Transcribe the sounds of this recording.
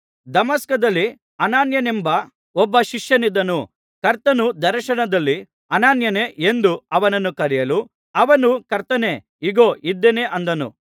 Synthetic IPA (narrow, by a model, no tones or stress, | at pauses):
d̪ɐmɐskɐd̪ɐlːi | ɐnaːnjɐnembɐ | ɔbːɐʃiʂjɐnid̪ːɐnu | kɐɾt̪ɐnud̪ɐɾɐʃɐnɐd̪ɐlːi | ɐnaːnjɐneːʔend̪uɐʋɐnɐnːukɐɾijɐlu | ɐʋɐnukɐɾt̪ɐne̞ː | iɡo̞ːʔid̪ːene̞ʔɐnd̪ɐnṵ